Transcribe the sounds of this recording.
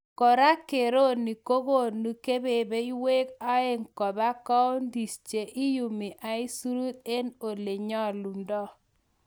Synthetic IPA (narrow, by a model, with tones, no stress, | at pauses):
kɔ˨ɾa˦ke˨ɾo˦ni˨ko˦ɣo˦˨nu˨ke˦be˨be˦i˦we˦ka˦e˦ŋkɔ˨ba˦kɔ˦o˦ndi˨st͡ʃe˨ʔi˦ju˨mi˨ʔa˨i˦su˦ɾu˦t̪̚e˦no˨le˨ɲɔ˦lu˨ndɔ˦